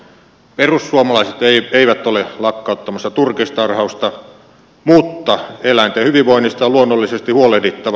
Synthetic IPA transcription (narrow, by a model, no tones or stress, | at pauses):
perusːuomɑlɑˑiset̪eieiʋæt̪ːolelɑkːɑˑut̪ːɑmɑsːɑt̪urkist̪ɑrhɑust̪ɑ | mut̪ːɑelæˑint̪ehyʋiʋʋoˑinːist̪ɑjɑluonːolːisest̪ihuolehlit̪ːɑʋ